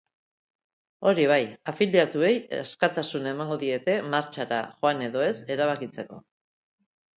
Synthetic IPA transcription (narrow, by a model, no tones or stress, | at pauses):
o̞ɾiβ̞ajafiljat̪ue̞jaskat̪asunaemaŋɡo̞ðie̞t̪e̞maɾt͡ʃaɾa̰ʝoane̞ðo̞e̞se̞ɾaβ̞akit͡se̞ko̞̰